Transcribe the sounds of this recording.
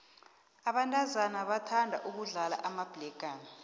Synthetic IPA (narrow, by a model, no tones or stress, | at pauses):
aɓantʼazanaɓatʰandʱa̰ʔuk̬uɮala̰ʔamab̥lɛɡ̥ʱaːna